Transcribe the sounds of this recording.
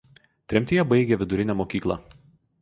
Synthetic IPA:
t̪ʲɾʲɛmʲt̪ʲijɛbɐɪɡʲɛʋʲɪd̪ʊɾʲɪnʲæmoːkʲiːklˠɐ̰

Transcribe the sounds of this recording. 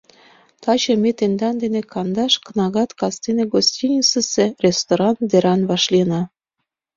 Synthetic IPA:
t̪ɑt͡ɕɤ̆met̪end̪ɑnd̪enekɑnd̪ɑʃkənɑɣɑt̪kɑst̪eneɡosʲtʲinʲit͡sə̆sĕrʲest̪oɾɑnd̪eɾɑnβɑʃlinɑ

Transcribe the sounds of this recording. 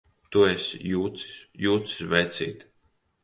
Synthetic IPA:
t̪uɛsʲjuːt̪si̥sjuːt̪si̥svɛjt̪sḭːt̪

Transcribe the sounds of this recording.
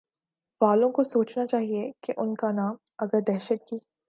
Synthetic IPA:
baːlõkosoːt͡ʃnat͡ʃaːɦiekeʔʊnkanaːm | ɐɡəɾd̪ɛːʃət̪̚kiː

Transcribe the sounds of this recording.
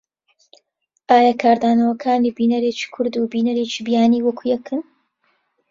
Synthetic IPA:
ʔaːjakʰaːɾd̪aːnɐwɐkʰaːniːbiːnɐɾeːt͡ʃi̥ːkʰʊɾd̪uːbiːnɐɾeːt͡ʃiːbijaːniːwɐkʰujɛkʰɨn

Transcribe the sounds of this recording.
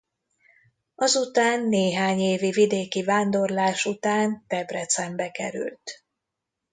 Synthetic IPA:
ɒzut̪aːnːeːɦaːɲeːvivid̪eːkivaːnd̪o̞rlaːʃut̪aːnt̪ɛbrɛt̪sɛmbɛkɛɾy̰lt̪

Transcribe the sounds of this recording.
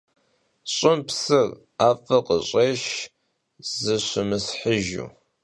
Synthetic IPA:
ɕʼɪmpsɨr | aːfɐqə̰ɕʼeːʃ | zɨɕʷɪmɨsħəʒṵː

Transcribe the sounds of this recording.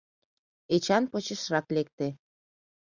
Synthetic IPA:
et͡ɕɑnpot͡ɕə̆ʃrɑklek̚t̪e

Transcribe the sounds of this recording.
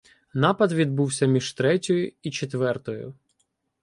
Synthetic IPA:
nɑpɐd̪ʋʲid̪̚buwsʲɐmʲiʒ̥t̪ɾɛtʲɔjʊit͡ʃet̪ʋɛrt̪ɔjʊ̰

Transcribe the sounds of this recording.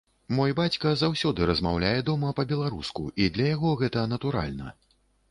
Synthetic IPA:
mɔjbat͡sʲkɐzawsʲɔd̪ɨɾɐzmawlʲajɛd̪ɔmɐpɐbʲɛlˠaɾuskuʔid̪lʲɐjaɣɔɣɛt̪ɐnɐt̪uɾa̰lʲnɐ̰

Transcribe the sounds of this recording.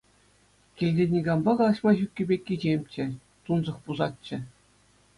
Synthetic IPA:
kʲilʲdʲenʲiɡɑmbɑkɑlˠɑɕmɑʑykʲːɘ̆bʲekʲːid͡ʑemʲt͡ɕɘ̆ | t̪unzɤ̆χpuzɑt̪̚t͡ɕːɘ̆

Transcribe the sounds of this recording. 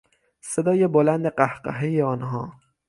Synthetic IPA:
sed̪ɒːjebolænd̪eqæhqæ̰ɦejeɒːnɦɒː

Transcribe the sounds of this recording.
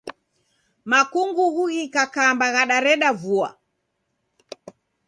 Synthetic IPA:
makuŋɡuɣuɣikakambaɣaɗaɾɛɗavua̰

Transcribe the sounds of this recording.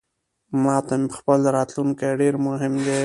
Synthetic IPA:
mɑt̪ampə̥xpəlɾɑt̪lunkeɖeɾmʊɦɪmd̪e

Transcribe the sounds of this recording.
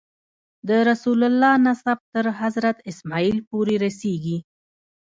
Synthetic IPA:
d̪əɾasulalːɑnasab̚t̪əɾɦazɾat̪ɪsmɑilpoɾeɾaseɡi

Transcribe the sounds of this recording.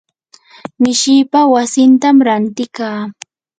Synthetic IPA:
mɪʃɪːpawasɪnt̪amɾant̪ɪkaː

